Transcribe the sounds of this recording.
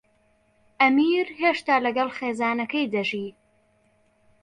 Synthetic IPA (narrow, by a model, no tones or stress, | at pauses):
ʔɐmiːɾɦeːʃt̪aːlɐɡɐlˠχeːzaːnɐkɐjd̪ɐʒiː